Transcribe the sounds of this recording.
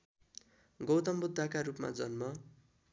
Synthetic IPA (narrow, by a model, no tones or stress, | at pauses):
ɡʌwt̪ʌmbud̪ʱːakaɾupma̰d͡zʌnmʌ